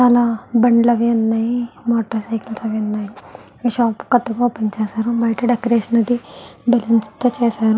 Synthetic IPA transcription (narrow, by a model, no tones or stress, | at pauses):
t͡ʃaːlabɐɳɖlɐʋiɐnːaːimoːʈɐɾsɐjkɐlsɐʋiɐnːaːi | ʃaːpkɐt̪ɐɡoːpɐɲt͡ʃaːsaːɾuʋɐjʈɐɖekɐɾeːʃɐnɐd̪ibelɐnst̪ɐt͡ʃeːsaːɾu